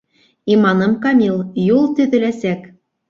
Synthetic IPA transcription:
imɑnɤ̆mkɑmʲilˠjulˠt̪yd̪ɘ̆læsæk

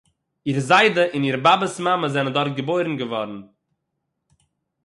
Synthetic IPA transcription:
iːɾzaɪdəʔɪniːɾbabəsmaməzɛnəndɔɾt̚ɡəboɪɾn̩ɡəvɔɾn̩

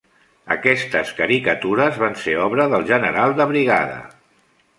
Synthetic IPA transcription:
ə̰kɛst̪əskəɾikət̪uɾəzβanseɔβɾəðəlˠʒənəɾalˠd̪əβɾiɣa̰ðə̰

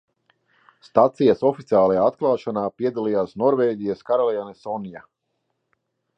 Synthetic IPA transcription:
st̪at̪sijasɔfit̪siaːlˠajaːat̪klˠaːʃanaːpiɛd̪alˠijaːsnɔɾveːɟʲijaskaɾalˠijanɛsɔnija

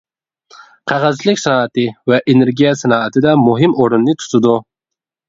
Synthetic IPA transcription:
qʰɑʁɑzt͡ʃlɪkʲsɑnɑːɛt̪ɪvɛʔeneɾɡʲijɛsɑnɑːɛt̪ʰɪd̪ɛmuɦɪmoɾɨnːɪt̪ʰu̥t̪ʰɪd̪u

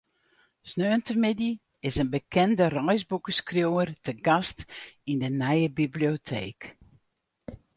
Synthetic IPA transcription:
snøːntərmɪdi | ɪsənbəkʰɛndərɔjzbukəskrjowərtəɡastindənɛjəbibliotʰḛːk

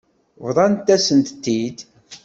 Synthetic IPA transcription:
vðˤɑnt̪ːæsənt̪t̪ːid̪

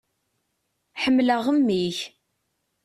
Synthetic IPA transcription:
ħəmːləʁəmːiç

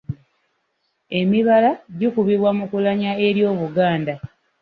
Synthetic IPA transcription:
e̞miβalaɟukuβiβwamukulaɲae̞ɾjo̞ːβuɡaːnda

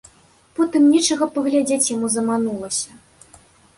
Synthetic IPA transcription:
pɔt̪ɨmnʲɛt͡ʂɐɣɐpɐɣlʲad͡zʲet͡sʲjamuzɐmanulˠɐsʲɐ

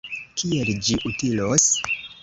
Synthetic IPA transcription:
kʰield͡ʒiʔutilos

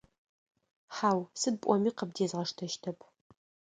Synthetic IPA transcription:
ħaːwsɨd̚pʷʼɔmiːqəb̚deːzʁɐʂtʰɐʃtʰɐpʰ

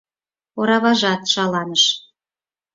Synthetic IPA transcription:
oɾɑβɑʒɑt̪ʃɑlɑnəʃ

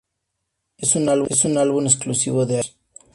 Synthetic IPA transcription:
esunalβsunalβunesklusḭβoðea

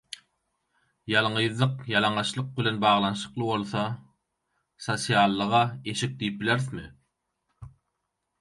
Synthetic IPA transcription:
jɑlˠɴɯjzlˠɯqjɑlˠɑɴɑʃlˠɯq̚bilenbɑːʁlˠɑnʃɯ̥qlˠɯbo̞lˠθɑ | sosijɑlˠːɯʁɑe̞ʃik̚d̪ijip̚bileɾθmɪ

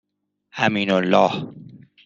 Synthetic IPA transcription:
ʔamiːnolːɒːh

